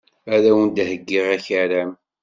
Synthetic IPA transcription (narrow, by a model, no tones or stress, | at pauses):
æðæwənd̪həɡːɪʁæçaɾæm